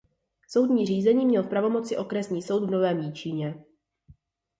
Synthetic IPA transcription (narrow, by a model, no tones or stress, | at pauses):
so̞wdɲiːr̝iːzɛɲiːmɲɛlfpɾavo̞mo̞t͡sɪʔo̞kɾɛsɲiːso̞wdvno̞vɛːmjiːt͡ʃiːɲɛ